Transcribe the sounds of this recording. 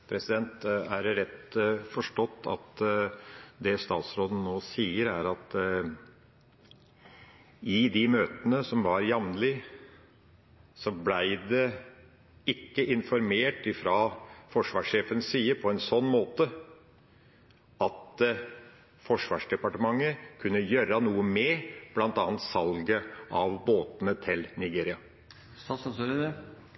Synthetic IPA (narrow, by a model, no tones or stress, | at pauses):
pʰɾɛsɪd̪ɛnt̪æɾɾɛt̪ːfɔʂʈɔt̪ːɑ̰t̪ | d̪ɛst̪ɑːt̪sɾoːd̪ən̩noːsiːəɾæɾɑt̪ | ɪd̪ɪmøːt̪ənəsɔmʋɑɾjɑʋnlɪ | sɔblæɪd̪ɛ | ɪkːəʔɪnfɔɾmeːʈɪfɾɑːfɔʂʋɑːʂeːfənsiːəpʰɔɛnsɔnːmoːt̪ə | ɑt̪ | fɔʂʋɑːʂɖɛpɑʈəmɑŋːəkʰʉnːəjøːɾɑnuːəmɛb̥lɑnt̪ɑːnt̪sɑlɡəʔɑʋboːt̪ənət̪ʰɪlnɪɡeːɾɪɑ | sɑsɾ